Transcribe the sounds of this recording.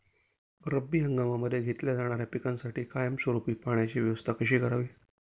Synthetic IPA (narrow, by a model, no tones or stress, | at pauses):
ɾəbːiːɦəŋɡamaməd̪ʱːjeɡʱet̪ljad͡zaɽ̃aɾjapikãnsaʈiːkajəmswəɾupiːpaɳjat͡ɕiʋjəʋəst̪ʰakəɕ̬iːkəɾaʋiː